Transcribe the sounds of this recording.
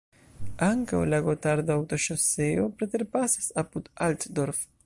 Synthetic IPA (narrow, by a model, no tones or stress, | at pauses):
aŋka̰wlaɣot̪aɾd̪awt̪oʃoseopɾet̪eɾpasasaput̪alt̪d̪oɾf